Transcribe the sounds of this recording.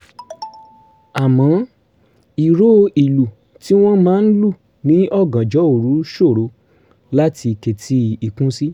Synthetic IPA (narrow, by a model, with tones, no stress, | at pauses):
a˨mɔ̃˨˦ | i˨ɾo˦˧i˨lu˨ | ti˦w̃ɔ̃˦mãː˦n̩˦lu˦˨ | nĩ˨˦ɔ˦˨ɡã˨d͡ʒɔ˨˦o˦˨ɾu˨˦ʃo˦˨ɾo˨˧ | la˦tʰi˧ke˨tʰi˧˦i˨kũ˦si˦